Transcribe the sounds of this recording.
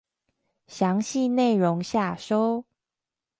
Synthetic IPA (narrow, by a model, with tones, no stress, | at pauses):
ɕjɑ˧˦ŋɕi˥˧ne˥˨ɪɻo˨˦ŋɕja˥˨˩ʂo˦ʊ